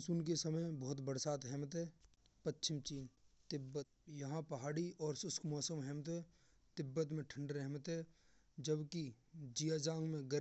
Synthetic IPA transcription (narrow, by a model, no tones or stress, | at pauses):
suːnkesəməjbɔːt̪bəɽsaːt̪ɦɛːmət̪ɦɛːpətːʃʰɪmt͡ʃiːnt̪ɪbːət̪̚jɐɦãpəɦaːɽiɔːɾsʊskʰmɔːsəmɦɛːmət̪ɦɛː | t̪ɪbːət̪̬mẽʈʰə̃ɳɖɾɛɦmət̪ɦɛ | d͡ʒəbkid͡ʒijad͡ʒãːŋɡmẽɡə